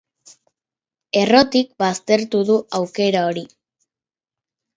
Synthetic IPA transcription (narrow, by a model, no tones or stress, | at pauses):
e̞ro̞t̪ik̚bast̪e̞ɾt̪uðuʔawke̞ɾao̞ɾi